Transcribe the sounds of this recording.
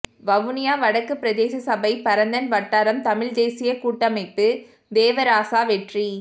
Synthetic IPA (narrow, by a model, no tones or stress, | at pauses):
ʋɐʋɯnɪjaːʋɐɽɐkːɯpːɪɾɐd̪eːsɐsɐbɐɪpɐɾɐnd̪ɐnʋɐʈːaːɾɐmt̪ɐmɪɻd̪eːsɪjɐkuːʈːɐmɐɪpːɯ | d̪eːʋɐɾaːsaːʋɛʈri